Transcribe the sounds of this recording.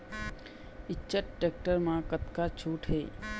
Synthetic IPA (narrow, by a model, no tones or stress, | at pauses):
ɪtːʃəʈʈeːk̚ʈəɾmãkət̪kat͡ʃʰuːʈɦeː